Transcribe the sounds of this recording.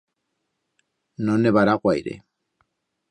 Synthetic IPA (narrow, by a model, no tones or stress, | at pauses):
nɔnɛβaɾakwaḭɾɛ̰